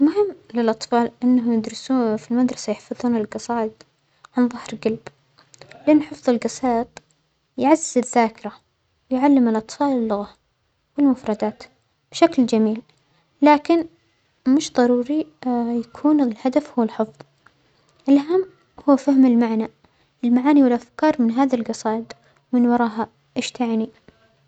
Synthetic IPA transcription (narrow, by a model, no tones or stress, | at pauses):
lmʊɦɪmːlɪlʔɑt̪ˤfɑːlʔɪnːaɦʊmjɪd̪ɾˤɑsufilmad̪ɾˤɑsajɪħfɑðˤuːnɪlɡɑsˤɑːʔt̪ˤ | ʕanðˤɑhɾɡalb | lɪʔɪnːħɨfðˤɨlɡɑsɑːt̪ˤ | jʕazːɪzɪðaːkɪɾˤa | wɪjʕalːɪmɪlʔɑt̪ˤfɑːlɪlːʊɣa | wɪlmʊfɾˤɑd̪aːt̪ | b̥ʃakld͡ʒamiːl | laːkɪn | mʊʃðˤɑɾˤuːɾijakʰuːnlhad̪afhʊwːalħɨfðˤ | ʔɪlʔaɦamː | hʊːfahmɪlmaʕna | ɪlmaʕaːniwɪlʔafkɑːɾˤmɪnɦaːðalɡɑsɑːʔt̪ˤ | wmɪnwɑɾˤɑːɦa | ʔeːʃt̪ʰaʕni